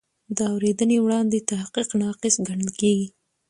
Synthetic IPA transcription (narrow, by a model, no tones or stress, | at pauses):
d̪əawɾed̪ənewɽɑnd̪et̪ahqiqnɑqɪsɡaɳəlkeɡi